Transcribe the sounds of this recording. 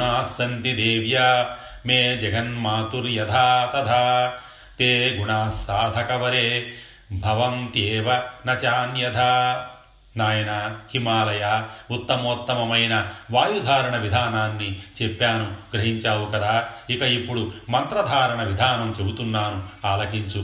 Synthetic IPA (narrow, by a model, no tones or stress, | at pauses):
aːsɐnt̪id̪eːʋja | meːd͡ʒɐɡʱɐnmaːt̪uɾjɐd̪ʱaːt̪ɐd̪ʱaː | t̪eːɡuɳaːsaːd̪ʱɐkɐʋɐɾeː | bʱɐʋɐnt̪eːʋɐnɐt͡ʃaːnjɐd̪ʱaː | naːjɐnahimaːlɐjaːut̪ːɐmoːt̪ːɐmɐmɐjnɐʋaːjud̪ʱaːɾɐɳɐʋid̪ʱaːnaːnːit͡ʃepːaːnuɡɾɐɦiɲt͡ʃaːwukɐd̪aːikɐipːuɽumɐnt̪ɾɐd̪ʱaːɾɐɳɐʋid̪ʱaːnɐmt͡ʃebut̪unːaːnuaːlɐkiɲt͡ʃu